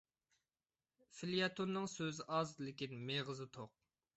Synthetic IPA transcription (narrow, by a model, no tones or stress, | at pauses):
filijɑt̪ʰonːɨŋsøzɪʔɑzlɪkʲinmeʁɨzɨt̪ʰoq̚